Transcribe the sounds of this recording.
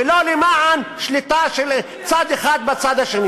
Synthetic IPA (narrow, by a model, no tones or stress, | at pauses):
elolimaʕanʃlit̪aʃel | t͡sad̪eχad̪̚bat͡sad̪aʃeni